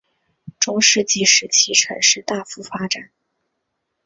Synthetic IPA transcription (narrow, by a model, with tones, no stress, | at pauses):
ʈ͡ʂʊ˥ŋʂɻ̩˥˧t͡ɕi˥˩ʂɻ̩˧˥t͡ɕʰi˥ʈ͡ʂʰə̰˧˥nʂɻ̩˥˧t̪a˥˩fu˥˩fa˥ʈ͡ʂa˨˩˦n